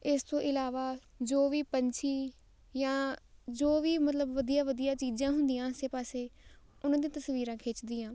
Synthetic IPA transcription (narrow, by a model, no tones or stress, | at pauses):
ɪst̪õːʔɪlaːʋaː | d͡ʒoːʋiːpəɲt͡ʃʰiː | jãːd͡ʒoːʋiːmət̪ləbʋəd̪ijãːʋəd̪ijaːt͡ʃiːd͡ʒãːɦʊ̃nd̪ijãːəseːpaːseː | ʊnãːd̪ĩːt̪əsʋiːɾãːkʰeːt͡ʃd̪iːãː